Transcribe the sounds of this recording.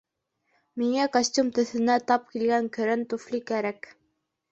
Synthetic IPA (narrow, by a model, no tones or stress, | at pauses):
miŋækosʲtʲumt̪ɵ̆θɘ̆næt̪ɑp̚kilɡæŋkɘ̆ɾɘnt̪uflikæɾæk